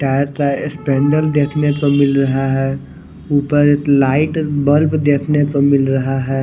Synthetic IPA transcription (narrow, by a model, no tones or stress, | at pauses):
ʈɛːɾt̪aspɛ̃ːɳɖəld̪eːkʰnepɐmɪlɾɐɦaɦɛː | uːpəɾeklaːɪʈbəlbd̪eːkʰnepəmɪlɾɐɦaɦɛː